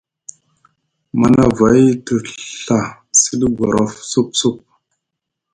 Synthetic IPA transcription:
ma˨na˦va˨jtə˨ɬa˨ | si˦ɗə˦ɡa˨ɾo˦fsu˦p̚su˦˨p̚

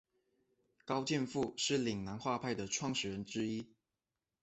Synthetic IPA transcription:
kɑ˥ʊt͡ɕjɛ˥˧nfu˥˧ʂɻ̩˥˩li˨˩ŋna˧˥nxwa˥˧pʰa˥˩ɪd̪ə˩ʈ͡ʂʰwɑ˥˩ŋɕɛ˨˥ɻə˧˦˥nʈ͡ʂɻ̩˥i˥

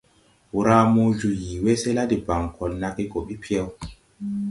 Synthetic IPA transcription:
wu˦˨ɾa˦mo˦d͡ʒu˨ji˨we˦se˦la˦di˨ba˨ŋkʰɔ˨lna˦ki˦ɡɔ˨ɓi˦pʰi˦ɛ˦w

